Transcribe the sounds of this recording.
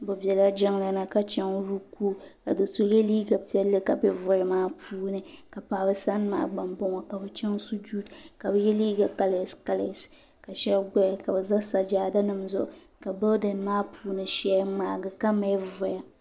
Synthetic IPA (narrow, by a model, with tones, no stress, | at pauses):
bo˨bɛ˨la˦d͡ʒɛ˦ŋla˨na˦ka˦t͡ʃɛ˦ŋ˦ɾu˦kuː˦ka˨dɨ˨so˦jɛ˦liː˦ɡa˨pi˦ɛ˦lːɨ˦ka˨bɛ˦vʊ˨ɾɨ˨maː˦puː˦nɨ˨ka˨pa˨bɨ˦sa˦n˦ma̰ː˨ɡ͡ba˨mbɔ˦ŋɔ˨ka˨bɨ˦t͡ʃɛ˦ŋ˦su˦d͡ʒu˦tka˨bɨ˦jɛ˦liː˦ɡa˨ka˦la˨ska˦la˨s | ka˨ʃɛ˦bɡa˦ja˨ka˨bɨ˨za˦sa˨d͡ʒaː˨da˦nɨ˨mzʊ˦˨ʔʊ˨ | ka˨bɨ˦dɨ˨nmaː˦pʰuː˦nɨ˨ʃɛ˦a˦maː˨ɡɨ˨ka˦ma˨˦vʊ˨ja˨